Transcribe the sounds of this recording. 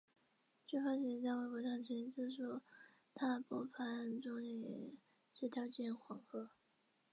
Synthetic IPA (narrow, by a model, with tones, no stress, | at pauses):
ʈ͡ʂy˥˩fa˥ɕɛ˧˥˩t͡sa˥˧ɪwa˥˩ɪkwɔ˧˥ʂɑ˥˩ŋt͡ɕʰɛ˧˥nt͡sɹ̩˥˩ʂɔ˥ | t̪ʰa˥pɔ˥˩pʰa˧˥nʈ͡ʂʊ˥ŋli˧˨˩ | ʂɻ̩˥˩t̪ʰjɑ˥ʊt͡ɕjɛ˥˩nxwɑ˨˧˥ŋxɤ˥